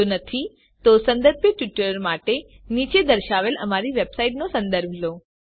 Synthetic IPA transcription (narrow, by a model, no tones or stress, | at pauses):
onət̪ʰi | t̪osə̃nd̪əɾbjəʈʋɪʈəɾmaʈe | nit͡ʃed̪əɾʃaʋeləmaɾiʋebsaiʈnosə̃nd̪əɾbʱlo